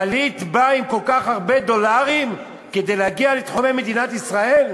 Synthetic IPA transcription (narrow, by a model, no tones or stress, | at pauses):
alit̪baimko̞lkaχhaʁbe̞d̪o̞laʁim | ke̞d̪e̞jlehaɡialet̪χomemed̪inat̪isʁae̞l